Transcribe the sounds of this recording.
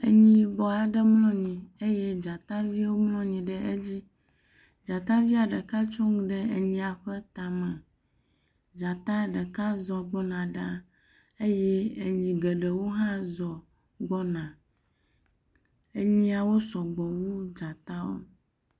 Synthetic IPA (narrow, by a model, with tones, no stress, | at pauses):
e˨ɲĩ˦bɔ˨a˨ɖə˦mlɔ̃˦ɲĩ˨e˦jɛ˦d͡ʒa˨t̪a˦vi˦wo˦mlɔ̃˦ɲĩ˨ɖə˦ʔe˦d͡ʑi˦ | d͡ʒa˨t̪a˦vi˦a˨ɖə˨ka˦t͡ʃɔ˦ŋũ˦ɖə˦e˨ɲĩ˨a˨ɸə˦t̪a˨mɛ̃˨ | d͡ʒa˨t̪a˦ɖə˨ka˦zɔ˨ɡ͡bɔ˦nã˨ɖa˦ | e˦jɛ˦e˨ɲĩ˨ɡe˨ɖə˨wo˦ɦã˦zɔ˨ | ɡ͡bɔ˦nã˨ | e˦ɲĩ˦a˨wo˦sɔ˨ɡ͡bɔ˨wu˦d͡ʒa˨t̪a˦wo̰˦